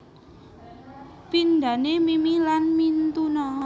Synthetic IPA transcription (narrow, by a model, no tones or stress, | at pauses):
pinɖ̪a̤nemimilanmint̪unɔ